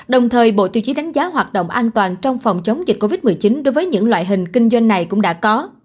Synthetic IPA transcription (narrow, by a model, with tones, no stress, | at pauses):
ɗə˨˩wŋ͡mt̪ʰəː˨˩jɓo̰˧˨t̪i˨˩t͡ɕi˨˦ɗa˨˦ŋ̟zaː˨˦ɦwaː˨˩t̚ɗo̰˧˨wŋ͡mʔaː˧nt̪waː˨˩nt͡ɕɔ˧wŋ͡mfɔ˨˩wŋ͡mt͡ɕə˨˦wŋ͡mzi˨˩t̚ko˧vi˦˥t̚mɨ˨˩jt͡ɕi˨˦nɗo˨˦jvəː˨˦jɲɨ̰˧˥ŋlwa̰ː˧˨jɦï˨˩ŋ̟kï˧ŋ̟zwa˧jŋːa˨˩jkʊ̰˧˥ŋ͡mɗa̰ː˧˥kɔ˨˦